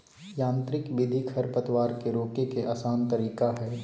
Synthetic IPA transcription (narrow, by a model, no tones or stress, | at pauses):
jãːnt̪ɾɪkʋɪd̪ʱikʰɐɾpət̪waːɾkeɾoːkekeʔaːsaːnt̪ɐɾiːkaɦɛː